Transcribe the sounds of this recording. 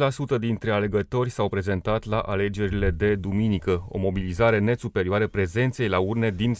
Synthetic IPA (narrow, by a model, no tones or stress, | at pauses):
lasut̪əd̪int̪ɾe̞ale̞ɡət̪o̞rʲsawpɾe̞ze̞nt̪at̪laʔale̞d͡ʒe̞ɾile̞d̪e̞d̪uminikəo̞̰mo̞bilizaɾe̞ne̞supe̞ɾioaɾəpɾe̞ze̞nt̪se̞jlaurne̞d̪in